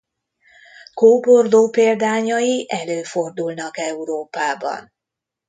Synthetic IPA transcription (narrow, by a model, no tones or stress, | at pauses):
koːbo̞rd̪oːpeːld̪aːɲɒjiʔɛløːfo̞rd̪ulnɒkɛuɾoːpaːbɒ̰n